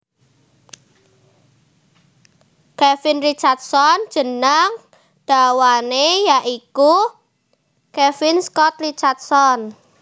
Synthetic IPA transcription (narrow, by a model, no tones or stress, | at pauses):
kɛfɪnrit͡ʃart̪̚sɔn̥ʒ̥ə̤nəŋ | d̪̥a̤wanejaʔiku | kɛfɪnskɔt̪rit͡ʃart̪̚sɔn